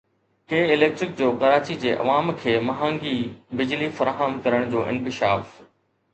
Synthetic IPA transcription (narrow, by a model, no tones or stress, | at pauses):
keːɪleːk̚ʈɾɪk̚d͡ʑoːkɐɾaːt͡ɕid͡ʑeːʔɐ̰ʋaːmkʰeːmɐɦãːŋɡibɪd͡ʑlifɐɾaːɦəmkɐɾəɽ̃d͡ʑoːʔɪ̰̃nkɪʃaːf